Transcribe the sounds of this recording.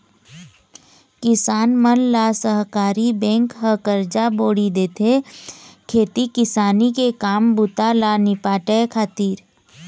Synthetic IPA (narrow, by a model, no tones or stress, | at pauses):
kɪsaːnmənlaːsəɦkaːɾibɛ̃ːŋkɦəkəɾd͡ʒaboːɽid̪eːt̪ʰe | kʰeːt̪ikɪsaːnikekaːmbʊt̪alanɪpaːʈɛkʰaːt̪iːɾ